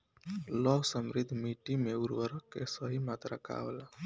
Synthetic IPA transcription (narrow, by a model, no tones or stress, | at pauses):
lɔsəmɾɪd̪ʱmiʈimeuɾʋəɾəkːesəɦimat̪ɾaka̰ʋela